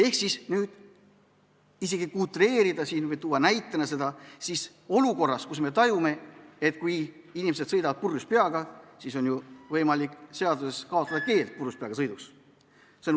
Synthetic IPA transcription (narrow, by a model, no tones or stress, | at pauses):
e̞hksisnyːd̪̥ | iseɡ̥ikult̪ɾe̞ːɾid̪ɑsiːnvɤjt̪uwːɑnæjt̪ːˑenɑse̞d̪ɑsis | o̞luko̞rːɑskusme̞t̪ɑjume̞et̪kuj | inʲimese̞d̪sɤjd̪ɑvɑt̪̚purːuspeɑɡ̥ɑsiso̞nʲjuvɤjmɑlikˑse̞ɑd̪use̞skɑo̞t̪ːˑɑd̪̥ɑke̞ːlt̪̚purːuspeɑɡɑsɤjd̪us | sen